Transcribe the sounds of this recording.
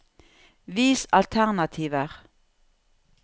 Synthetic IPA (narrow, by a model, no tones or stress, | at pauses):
ʋiːsɑlt̪ʰæʁnɑt̪ʰiːʋəʁ